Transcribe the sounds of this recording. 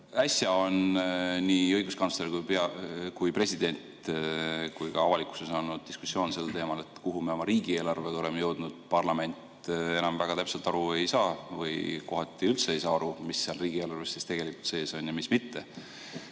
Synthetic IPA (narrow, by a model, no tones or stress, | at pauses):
æsjɑo̞nniːɤ̞jɡ̥uskɑnsleɾkujpeɑkujpre̞sʲid̪̥e̞nʲt̪ | kujkɑɑvɑliku̥sesɑːnud̪̥̚d̪isku̥sjo̞ːnse̞lt̪e̞ːmɑle̞t̪ˑkuɦumieo̞mɑɾiːɡ̥ieːlɑrve̞̥o̞le̞mejɤ̞wd̪̥nud̪̥pɑrlɑme̞nʲt̪ˑ | e̞nɑmvæɡ̥ɑt̪æpselt̪ɑɾue̞jsɑːvɤ̰jko̞ɦɑt̪ːˑiylt̪se̞ejsɑːɑɾumisːeɑlriːɡ̥ie̞ːlɑrvest̪ːist̪e̞ɡ̥e̞likult̪se̞ːso̞njɑmismit̪ːe̞